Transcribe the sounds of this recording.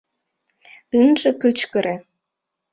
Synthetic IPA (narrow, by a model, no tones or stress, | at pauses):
ynʒekyt͡ɕkəɾe